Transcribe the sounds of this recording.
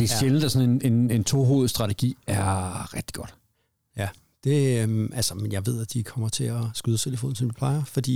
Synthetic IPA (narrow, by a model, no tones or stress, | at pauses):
d̥e̝ɕeln̩əd̥æsɒ̽nene̝ne̝nt͡sʰo̝ɦo̝̰ːð̞̩ˠsd̥ʁɑ̈t͡sʰeɡ̥ḭːæɐʁɛɡ̥d̥i̥ɡ̥ɒ̽d̥ | jæ | d̥e̝ʔælsɐmenjɑ̈ɪʋe̝ð̞̰ˠæd̥ikʰɒ̽m̰ɐt͡sʰe̝ɒsɡ̥yðˠət͡sʰe̝ləfo̰ːn̩sɒ̽mʋipʰlɑ̈ɪɐfɒ̽d̥ḭ